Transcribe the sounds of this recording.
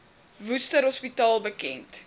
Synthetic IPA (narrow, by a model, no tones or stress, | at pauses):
vustəɾɦɔspitɑːlˠbəkɛnt